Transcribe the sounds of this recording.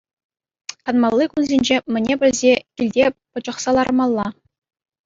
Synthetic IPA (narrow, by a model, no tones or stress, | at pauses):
kɑnmɑlˠːɯkunzʲenʲd͡ʑemʲɘ̆nʲebʲɘ̆lʲzʲekʲilʲdʲepɤ̆d͡ʑɤ̆χsɑlˠɑrɤ̆mɑlˠːɑ